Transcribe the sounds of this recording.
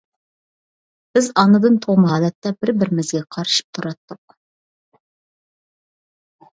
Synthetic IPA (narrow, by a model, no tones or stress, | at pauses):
b̥ɪzɑnɨd̪ɨnt̪ʰoʁmɦɑːlɛt̪ːɛbɪɾbɪɾɪmɪzɡʲɛqʰɑɾɨʃɨ̥p̚t̪ʰuɾɑt̪ːʊq